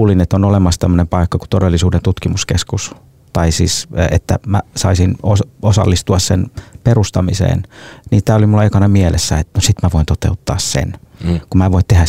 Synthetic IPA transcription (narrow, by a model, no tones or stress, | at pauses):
linet̪ːonolemɑst̪æmːønempɑikːɑku̥t̪odelːisuːdent̪ut̪kimuskeskus | t̪ɑisḭːset̪ːæ̰mæ̰sɑisinososɑ̰lːist̪uɑssenperust̪ɑmisḛːnniːt̪æːolimulːɑekɑnɑmielesːæet̪nosit̪mæʋoint̪ot̪eut̪ːɑːssḛnkumæːʋoit̪t̪ehæ